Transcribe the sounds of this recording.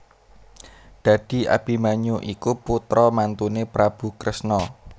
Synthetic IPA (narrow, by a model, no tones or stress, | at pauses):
d̪̥ä̤d̪̥i̤ʔa̰b̥i̤maɲuʔikuput̪ɾɔmant̪unepɾab̥ṳkɾəsnɔ